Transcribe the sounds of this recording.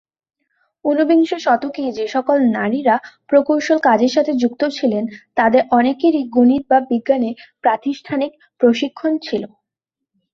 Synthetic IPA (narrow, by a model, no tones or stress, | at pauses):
unubiŋʃoʃɔt̪okid͡ʑeʃɔkolnaɾiɾapɾokowʃolkad͡ʑeɾʃat̪ʰed͡ʑuk̚t̪ot͡ɕʰilent̪ad̪eɾʔɔnekiɾiɡuniɾ̚babiɡːanepɾat̪iʃʈʰanik | pɾoʃikʰːont͡ɕʰilo